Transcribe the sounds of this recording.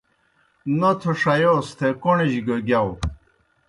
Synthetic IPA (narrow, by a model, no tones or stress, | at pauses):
not̪ʰoʂɐjoːst̪ʰekoɳeʑiɡɐɡʲjaw